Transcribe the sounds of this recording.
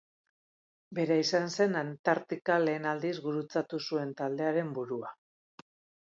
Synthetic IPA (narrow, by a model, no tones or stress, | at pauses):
be̞ɾaisanse̞nant̪aɾt̪ikale̞ːnald̪izɡuɾut͡sat̪usue̞nt̪ald̪e̞aɾe̞mbuɾua